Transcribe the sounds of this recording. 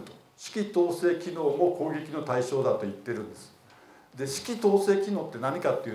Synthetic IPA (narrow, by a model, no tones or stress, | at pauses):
ɕi̥kʲit̪o̞ːse̞ːkʲino̞ːmoko̞ːɡʲe̞kʲino̞t̪aiɕo̞ːd̪at̪o̞it̪ːe̞ɾɯ̟̃nd̪e̞sɨ̥ | d̪e̞ɕi̥kʲit̪o̞ːse̞ːkʲino̞ːt̪ːe̞naɲ̟ikat̪ːeiɯ̟